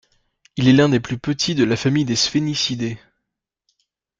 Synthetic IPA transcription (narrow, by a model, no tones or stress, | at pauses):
ilɛlɛ̃d̪eplypət̪ʰid̪əlafamijd̪esfenisid̪e